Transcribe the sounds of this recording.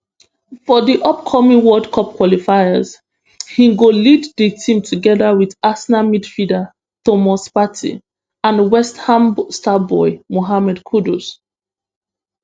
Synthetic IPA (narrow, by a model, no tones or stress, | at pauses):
fɔðiʔɔpkʰɔmĩŋwɔdkʰɔp̚kwɔlifaɪəz | hĩɡolidðitʰĩmtʰuɡɛðawiðasnamidfida | tomɔspatʰḭ | ãnwɛsthãmstabɔɪmoɦamɛdkʰudus